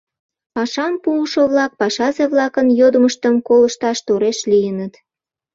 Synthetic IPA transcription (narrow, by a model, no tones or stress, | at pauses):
pɑʃɑmpuːʃoβlɑk̚pɑʃɑzeβlɑkənjod̪əməʃt̪əmkoləʃt̪ɑʃt̪oɾeʃlijənət̪